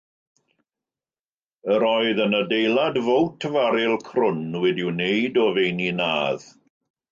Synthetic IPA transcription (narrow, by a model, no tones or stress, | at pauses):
əɾɔɨðənədejlˠadvowtʰəvaɾɪlˠkʰrʊnwɛdiɪwnejdɔvejninaːð